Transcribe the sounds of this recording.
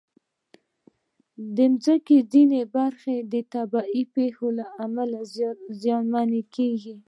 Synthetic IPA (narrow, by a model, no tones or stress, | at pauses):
d̪əmzəkezinebaɾxed̪ət̪abɑipexolaamalazjɑnmanekeɡi